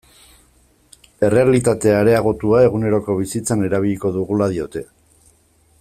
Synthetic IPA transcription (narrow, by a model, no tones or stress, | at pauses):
e̞re̞alit̪at̪e̞aɾe̞aɣ̞o̞t̪uae̞ɣune̞ɾo̞ko̞β̞isit͡sane̞ɾaβ̞iʎiko̞ðuɣulað̞io̞t̪e̞